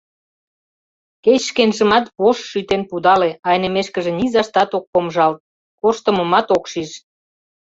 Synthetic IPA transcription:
ket͡ɕʃkenʒəmɑt̪βoʃːyt̪enpud̪ɑleɑjnemeʃkə̆ʒĕnizɑʃt̪ɑt̪ok̚pomʒɑlt̪̚ | korʃt̪əməmɑt̪okʃiʃ

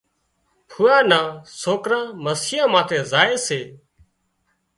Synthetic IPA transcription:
pʰuːjaːnãːsoːkɾãːməsiːãːmãːt̪ʰeːzaːeːseː

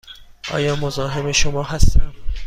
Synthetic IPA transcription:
ʔɒ̰ːjɒːmozɒːɦemeʃomɒːɦæst̪æm

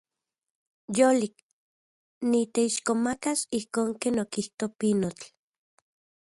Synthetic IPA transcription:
jolik | nit̪eiʃkomakasihkoːŋkeːnokiht̪opinot͡ɬ

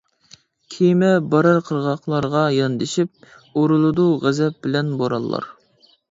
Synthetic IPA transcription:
kʲʰijmɛbɑɾɑɾqʰəɾʁɑqlˠɑɾʁɑjɑnd̪ɪʃip̚ | oɾulˠɨd̪uʁæzɛp̚bɪlɛnboɾɑ̰lˠːɑ̰ɾ

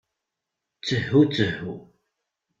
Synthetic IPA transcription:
t͡səħut͡səħu

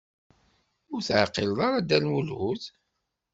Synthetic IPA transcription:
ʊɾθʕqːɪlðˤɑɾˤɑd̪ælwuluð

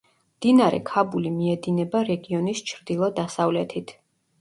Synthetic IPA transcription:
md̪̥inaɾɛ̰kʰabulimiɛd̪inɛbaɾɛɡiɔnist͡ʃʰɾd̪ilˠɔd̪asavlɛt̪ʰit̪ʰ

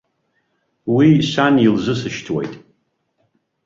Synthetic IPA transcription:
wisʷanilzɨsɨʃtʰwḛjtʼ

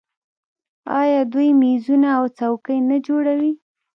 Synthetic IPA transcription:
ɑjɑd̪ujmizunaːwt͡sawkəjnad͡ʒoɽawi

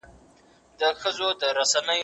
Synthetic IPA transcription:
d̪əxəzod̪əɾasanəj

